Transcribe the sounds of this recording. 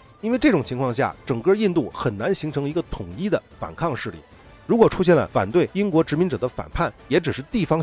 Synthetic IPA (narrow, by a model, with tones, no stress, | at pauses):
i˥nwe˥˧ɪʈ͡ʂɤ˥˩ʈ͡ʂʊ˨˩ŋt͡ɕʰi˧˥ŋkʰwɑ˥˧ŋɕ̬ja̰˥˩ʈ͡ʂɤ˨˩ŋkɤ˥˧i˥˧nt̪u˥˩xə˨˩nna˧˥nɕi˧˥ŋʈ͡ʂʰɤ˧˥ŋi˧˥ɡə˧t̪ʰʊ˨˩ŋi˥˩d̪ə˨fa̰˨˩nkʰɑ˥˧ŋʂɻ̩˥˧lḭ˥˩ | ɻu˧˥kwɔ˨˩ʈ͡ʂʰu˥ɕ̬jɛ˥˩nlə̰˩fa̰˨˩nt̪we˥˩ɪi˥ŋkwɔ˧˥ʈ͡ʂɻ̩˧˥mi˧˥nʈ͡ʂɤ˨˩d̪ə˦fa̰˨˩npʰa˥˩njɛ˧˥ʈ͡ʂɻ̩˨˩ʂɻ̩˥˧t̪i˥˩fɑ˥ŋ